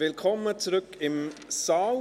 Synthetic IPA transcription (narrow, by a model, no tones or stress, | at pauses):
ɪlkʰɔmət͡sɾɵkɪmsɑːl